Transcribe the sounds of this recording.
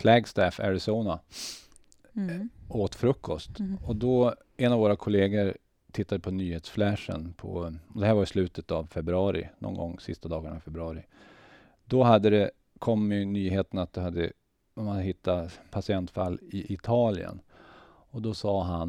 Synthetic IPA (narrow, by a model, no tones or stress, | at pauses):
flɛɡst̪æːfæ̰ɾɪsoːna | oːt̪fɾɵkʰːɔst̪ɔd̪ɔ | ɛnavoːɾakʰʊleːɡəɾ | t̪ʰɪt̪ːad̪əpʰɔnyːheːt̪sflæʂə̰npʰɔ̰ɔd̪ɛhæːɾvajɪslʉ̟ːt̪ʰət̪avfɛbɾɵɑːɾɪ̰nɔ̰nɡɔ̰ŋːsɪst̪ad̪ɑːɡəɳa̰vfɛbɾɵɑːɾɪ | d̪ɔɦad̪ːəd̪ɛ | kʰɔmːjɵnyːɦeːt̪ənat̪̚d̪ɛhad̪ːə̰ | ɔmaɦɪt̪ːapʰasɪɛnt̪falːɪʔɪt̪ʰɑːlɪə̰n | ɔd̪ɔsɑːɦan